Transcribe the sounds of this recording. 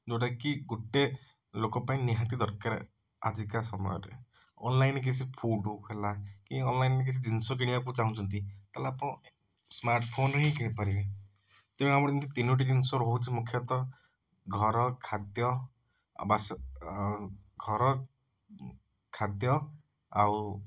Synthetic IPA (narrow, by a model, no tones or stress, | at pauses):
d͡ʒoɽakiɡuʈːe | lokɔpaĩniɦat̪id̪ɔɾkaɾḛ | a̰d͡ʒikasɔmɔ̰jɔ̰ɾḛ | ɔnlajnek̬it͡ʃʰipʰoɖuɦelakĩɔnlajnek̬it͡ʃʰid͡ʒinsɔk̬iɽibak̬ut͡ʃaɦũt͡ʃʰɔnt̪it̪alapɔ̃ | smaɾʈpʰonɾeɦĩkiɽ̃ĩpaɾibe | t̪eb̃amɔɽd͡ʒint̪ʰit̪inuʈ̬id̪inɔsoɾɔɦut͡ʃʰimukʰjɔt̪ɔ | ɡʱɔɾɔkʰad̪jɔ̰ | basɔ | ɡʱɔɾɔ | kʰad̪jɔ | a̰w